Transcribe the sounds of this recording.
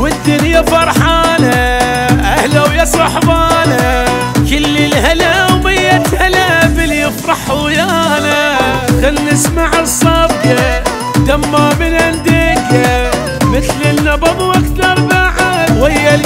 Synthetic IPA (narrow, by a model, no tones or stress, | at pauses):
wɪd̪ːɪɾjafɑɾˤħaːnha | ʔahlawjɑsˤɑħbɑːnhaa | kɪlːɪlhalawbɪjːat̪halabɪljɪfɾˤɑħujaːnakanːɪsmaʕɨsˤːɑbɡa | d̪amːamɪnʕand̪eːka | mɪθlɪnːɑbɑbʔakt̪ɑɾˤmaʕad̪wɪjːal